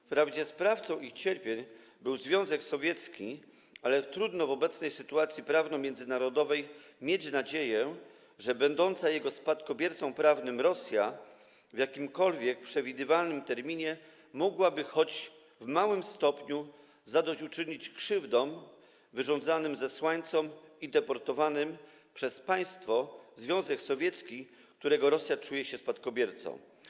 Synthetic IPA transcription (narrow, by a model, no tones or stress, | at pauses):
fpɾavd͡ʑɛspɾaft̪sɔ̃w̃ixt͡ɕɛɾpʲjeɲ | bɘwzvʲjɔ̃w̃zɛksɔvʲjɛt̪skʲi | alɛt̪ɾud̪nɔvɔbɛt̪snɛjsɘt̪uat̪sʲjipɾavnɔ̃mʲjɛnd̪zɘnaɾɔd̪ɔvɛjmʲjet͡ɕnad͡ʑejɛ | ʐɛbɛnd̪ɔnt̪sajɛɡɔspat̪kɔbʲjɛɾt̪sɔ̃w̃pɾavnɘmɾɔsʲja | vʲjakʲimkɔlvʲjɛk̚pʂɛvʲid̪ɘvalnɘmt̪ɛɾmʲiɲɛ | mɔɡwabɘxɔd͡ʑ | vmawɘmst̪ɔpɲu | zad̪ɔt͡ɕut͡ʂɘɲit͡ɕkʂɘvd̪ɔm | vɘʐɔ̃nd̪zanɘmzɛswaɲt̪sɔmid̪ɛpɔɾt̪ɔvanɘm | pʂɛspaj̃st̪fɔzvʲjɔ̃w̃zɛksɔvʲjɛt̪skʲi | k̚t̪uɾɛɡɔɾɔsʲjat͡ʂujɛɕɛspat̪kɔbʲjɛɾt̪sɔ̰̃w̃